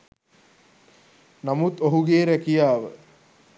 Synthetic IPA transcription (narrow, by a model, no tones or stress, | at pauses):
namut̪oɦuɡeːɾækijaːʋə